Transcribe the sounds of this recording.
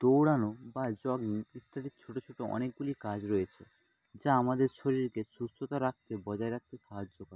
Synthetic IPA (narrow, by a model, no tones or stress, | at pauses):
t̪owɽanobad͡ʑɔɡniit̪ːaɾit͡ɕʰoʈot͡ɕʰoʈoɔ̰nek̚ɡulikad͡ʑɾɔjet͡ɕʰḛ | d͡ʑaamad̪eɾʃoɾiɾkesust̪ot̪aɾak̚t̪ebɔd͡ʑaeɾak̚t̪eʃaɦad͡ʑːokɔɾ